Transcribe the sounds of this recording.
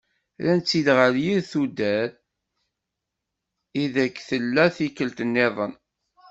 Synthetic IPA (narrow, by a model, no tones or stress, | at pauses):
lænt͡s̪ːid̪ʁəljiɾθud̪æθ | iðækːθəlːæθikːəlt̪ənːɪðˤən